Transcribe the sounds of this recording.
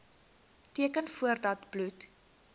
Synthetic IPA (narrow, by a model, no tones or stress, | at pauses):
tiəkənfuərdɐtblut